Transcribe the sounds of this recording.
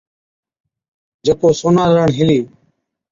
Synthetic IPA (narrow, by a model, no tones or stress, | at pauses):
d͡ʒəkoːsoːnaːɾəɳɦɪliː